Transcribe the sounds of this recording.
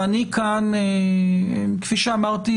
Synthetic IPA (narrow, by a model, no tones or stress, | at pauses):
anikʰane | kfiʃeamaʁt̪i